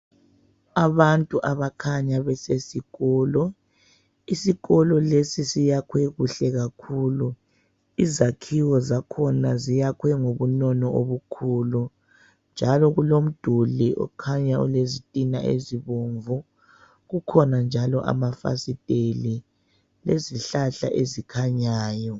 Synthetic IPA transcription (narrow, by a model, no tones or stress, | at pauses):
aβantʼuʔaβakʰaɲaβɛsesiɣɔːlɔ | isiɣɔlɔlesisijakʰwɛɣuɬɛɣakʰulu | izakʰiwɔzakʰɔnazijakʰwɛŋoβunɔnɔʔoβukʰuːlu | nd͡ʒʱalɔɣulom̩d̥ʱuliʔɔ̰kʰaɲaṵlezitʼinaʔḛziβoɱvɔ | ɣukʰɔnand͡ʒʱalɔʔa̰mafa̰sitʼeli | leziɬaɬa̰ʔezikʰaɲaːjɔ